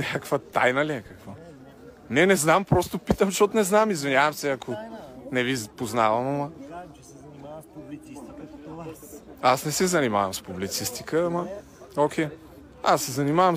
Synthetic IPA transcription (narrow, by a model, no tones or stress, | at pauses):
nʲakkvət̪a̰jnɐliɛkɐkvo | nɛnɛznampɾɔst̪ʊpit̪əmʃɔt̪nɛznamizvinʲjavɐmsɛɐkʰonɛvizpoznavɐmɐmə | ɛnimapubliist̪ik̪t̪aasnɛsɛzɐnima̰vɐ̰mspublit̪sist̪ikəmɐ | okʰʲɛ | asːɛzɐnimavɐm